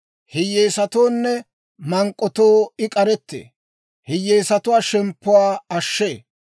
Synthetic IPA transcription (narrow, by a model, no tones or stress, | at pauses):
hɪjeːsɐt̪oːnːɛ | mɐŋkʼːɔt̪oːɪkʼɐɾɛt̪ːḛː | hɪjeːsɐt̪ʊwaːʃɛmpːʊwaːɐʃːeː